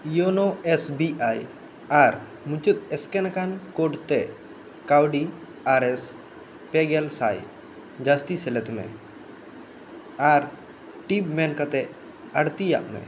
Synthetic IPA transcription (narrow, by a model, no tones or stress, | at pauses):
jonoɛsbiaj | aɾ | mut͡ʃut̪̚ɛskɛnakankoɖt̪ɛ | kawɖi | aɾɛs | pɛɡɛlsaj | d͡ʒast̪isɛlɛt̪mɛ̰ | aɾ | ʈibmɛnkat̪ɛʔ | aɽt̪ija̰ʔmɛ̰